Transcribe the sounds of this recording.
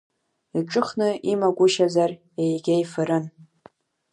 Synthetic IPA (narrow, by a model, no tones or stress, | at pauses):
iʈ͡ʂʼɨχnɨimaɡʷʊʃazar | ejɡʲajfɨɾɨn